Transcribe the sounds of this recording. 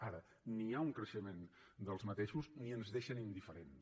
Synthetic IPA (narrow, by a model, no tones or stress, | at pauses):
aɾə | niauŋkɾəʃəmend̪əlˠzmət̪eʃuzniənzðeʃənind̪ifəɾen